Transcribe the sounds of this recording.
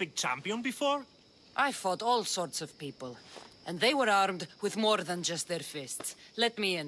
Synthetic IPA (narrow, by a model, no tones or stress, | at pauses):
b̥ɪɡ̚t͡ʃʰã̰mpiɔ̃nbɪfɔːɹ | ʔajfɔdɔːlˠsɔːɹtsɔv̥pipəlˠə̃nðeɪwəɾaɾmdwɪðmɔːɾðə̃nd͡ʒʌst̪̚ðɛɹfɪstslɛt̚miə̃n